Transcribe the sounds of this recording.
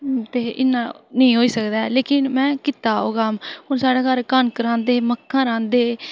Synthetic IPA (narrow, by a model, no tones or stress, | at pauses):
t̪eːʔɪnːãːnəĩːɦoːiːsəkd̪aːleːkɪnmɛ̃ːkɪt̪aːɦoːɡaːmɦʊnsaːɖaːkəɾkənkəɾãːnd̪eːməkʰːãːɾãːnd̪eː